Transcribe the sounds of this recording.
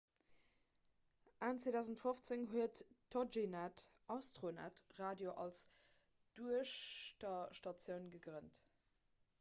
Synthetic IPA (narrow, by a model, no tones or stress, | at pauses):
ʔaːnt͡sweːdæʊzəntfoft͡seŋɦuətːod͡ʒinat | ʔɑstʁona̰tʁaːdjoʔɑls | d̥uəʃtɐʃtɑt͡sjəʊnɡəɡʁənt